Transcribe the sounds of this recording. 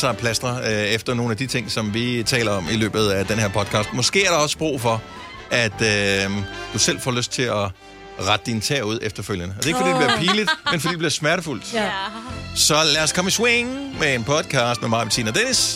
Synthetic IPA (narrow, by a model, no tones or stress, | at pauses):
sɑpʰlæsd̥ʁɐefd̥ɐno̝ːn̩æd̥it͡sʰe̝ŋ̰sɒ̽mʋit͡sʰɛ̰ːlɐɒ̽milø̰ːb̥ð̞̩ˠæd̥enheɐ̰pʰɒ̽d̥̚kʰɑ̈ːsd̥mɒ̽sɡ̥e̝̰ːæɐɾ̥ɑɒ̽sb̥ʁo̰ːfɒ̽ | æd̥ø | d̥usel̰fɒ̰ːløsd̥̚t͡sʰe̝lɒ | ʁäd̥əd̥int͡sʰɛɐ̰uð̞̰ˠefd̥ɐføl̰jənəɒd̥eeɡ̥fɒd̥iːd̥ebliɐpʰiːlid̥menfɒ̽dḭːd̥eb̥liɐsmæɐɾəful̰d̥ | sɒ̽læːɒskʰɒ̽misweŋmeenpʰɒ̽d̥kʰɑ̈ːsd̥memɑ̈ːʋet͡sʰḭːnɐd̥enis